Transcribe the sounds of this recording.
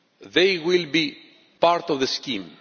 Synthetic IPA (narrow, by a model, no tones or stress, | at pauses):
ðejwilˠbi | paɾt̪ɔvðəskĩm